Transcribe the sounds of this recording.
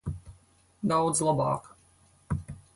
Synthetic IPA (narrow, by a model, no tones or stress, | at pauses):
d̪awd̪zlˠɔba̰ːk